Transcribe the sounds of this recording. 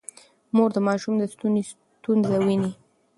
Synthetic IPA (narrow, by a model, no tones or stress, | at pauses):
moɾd̪əmɑʃumd̪əst̪unis | t̪unzawini